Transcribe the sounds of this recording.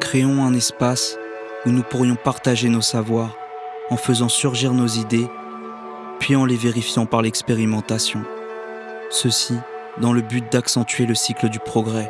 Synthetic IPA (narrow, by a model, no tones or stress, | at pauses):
kχeɔ̃ɛ̃nɛspas | unupuʁjɔ̃paʁt̪aʒenosavwaʁ | ɑ̃fəzɑ̃syʁʒiʁnozid̪e | pɥiɑ̃leveʁifjɑ̃paʁlɛkspeʁimɑ̃t̪asjɔ̃ | səsi | d̪ɑ̃ləbyt̪̚d̪aksɑ̃t̪ɥeləsikləd̪ypχɔɡʁɛ